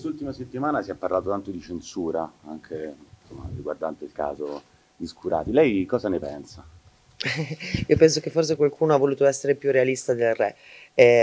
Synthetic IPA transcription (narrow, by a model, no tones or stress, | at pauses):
kwest̪ult̪imaset̪ːimaːnasiɛpːarlaːt̪ot̪ant̪od̪it͡ʃensuːɾaaŋkʰesomːa̰riɡwa̰rd̪ant̪eilka̰ːzo | d̪iskuɾʔa̰ːt̪ilɛjkɔːzanepɛnsa | iːopɛns̬ok̟efːors̬ekwalkuːnoavːoluːt̪oɛsːeɾepjurealist̪ad̪elrɛ